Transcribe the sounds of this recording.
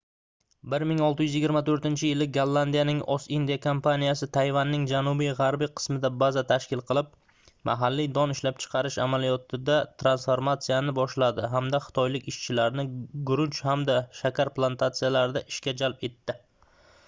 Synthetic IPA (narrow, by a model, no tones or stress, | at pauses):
bɪɾmɪŋɒlˠt̪ɪjʏzjɪɡʲɪɾmat̪ʰɵɾt̪ɪnt͡ʃʰɪjɪlɪɡalˠːand̪ijanɪŋʔɒsind̪ijakʰompʰanijasɪt̪ʰajvanːɪŋd͡ʒanʊbijʁaɾbijqʰɨ̥smɪd̪abazat̪ʰaʃkʲɪlˠqʰɨlˠɪp̚ | mʔa̰ɦalːid̪ɒnɪʃlap̚t͡ʃʰɨ̥qʰɑɾɪʃa̰malijɒt̪ʰɪd̪at̪ʰɾansfoɾmat̪sijanɪbɒʃlad̪ɪɦamd̪aχɨ̥t̪ʰɒjlɪkʲɪʃt͡ʃʰɪlaɾnɪɡʊɾʊnt͡ʃhamd̪aʃakʲaɾplˠant̪ʰat̪sijalaɾɪd̪aʔɪʃkʲad͡ʒalpe̞t̪ːɪ